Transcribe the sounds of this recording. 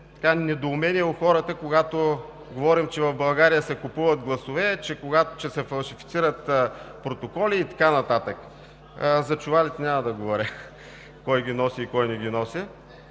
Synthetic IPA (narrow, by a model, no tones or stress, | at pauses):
t̪ɐ̥kanɛd̪oːmɛnʲiɛʊxɔɾət̪əkoɡat̪o | ɡovɔɾimt͡ʃɛvɐfbɐlˠɡaɾijəsɛkʊpuvət̪̚ɡlˠɐsovɛt͡ʃɛkoɡat̪t͡ʃɛsɛfɐlˠʃifit̪siɾət̪pɾot̪okɔliːt̪ɐ̥kanɐt̪at̪ək | əzɐt͡ʃuvalit̪ɛnʲamɐd̪ɐɡovɔɾʲə | kɔjɡʲinɔsiːkɔjnɛɡʲinɔsʲə